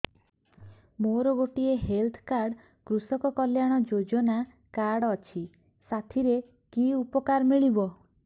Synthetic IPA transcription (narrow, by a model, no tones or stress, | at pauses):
moɾɔɡoʈieɦelt̪ʰkaɾɽ | kɾusɔkɔkɔljaɽ̃ɔd͡ʒod͡ʒɔna | kaɾɽɔt͡ʃʰi | sat̪ʰiɾe | kiupɔkaɾmiɭibɔ